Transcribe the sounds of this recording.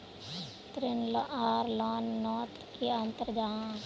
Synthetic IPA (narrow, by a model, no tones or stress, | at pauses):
t̪ɾɪnlaːɾlɔːnːɔːt̪kiant̪əɾd͡ʒaː